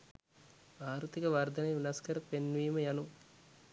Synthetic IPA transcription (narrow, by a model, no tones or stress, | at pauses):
baːɾut̪ikɐʋɐrd̪ɐnɐjʋinɐskəɾəpenʋiːməjanu